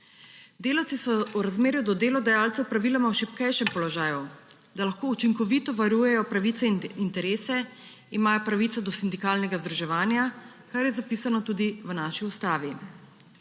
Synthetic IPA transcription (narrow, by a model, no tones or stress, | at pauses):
d̪eːlawt̪sisɔwɾazmeːɾjud̪ɔd̪eːlɔd̪ajaːlt̪sɛwpɾaʋilamawʃipkɛjʃɛmpɔlɔʒaːju | d̪alaxkoːut͡ʃiŋkɔʋit̪ɔʋaɾuːjɛjɔpɾaʋiːt̪sɛint̪ɛɾeːsɛ | imaːjɔpɾaʋiːt̪sad̪ɔsind̪ikaːlnɛɡazd̪ɾuʒɛʋaːnja | kaɾjɛzapisanɔt̪uːd̪iʋnaːʃiust̪aːʋi